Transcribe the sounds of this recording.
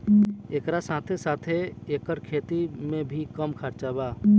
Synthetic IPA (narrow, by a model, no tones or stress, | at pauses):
eːkɾasaːt̪ʰesaːt̪ʰeeːkəɾkʰeːt̪imẽbʱikəmkʰəɾt͡ʃabaː